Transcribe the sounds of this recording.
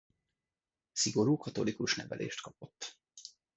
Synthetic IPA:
siɡo̞ɾuːkɒt̪o̞likuʃnɛvɛ̰lʔḛːʃt̪kɒpo̞t̪ː

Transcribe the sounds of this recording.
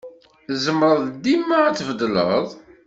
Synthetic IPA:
zəmɾˤəðˤd̪imːaæt͡sːvəd̪lə̰ðˤ

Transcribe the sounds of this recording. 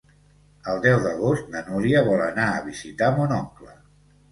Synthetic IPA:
əlˠd̪ɛwðəɣ̞ost̪̚nənuɾiəβɔlənaəβizit̪amunɔŋklə

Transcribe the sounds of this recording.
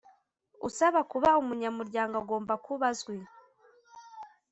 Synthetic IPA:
ṵsaβakuβaumuɲamuɾɟaːŋɡaɡo̞ːmbakuβazɡwe

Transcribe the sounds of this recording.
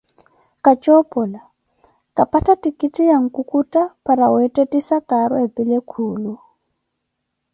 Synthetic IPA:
kʼat͡ʃʼɔpʼɔla | kʼapʰʼatʰʼatʼikʼitʼijaŋ̩kʼukʼutʼapʰʼaɾawɛtʼetʼisakʼaɾɔepʼilekʰuːlu

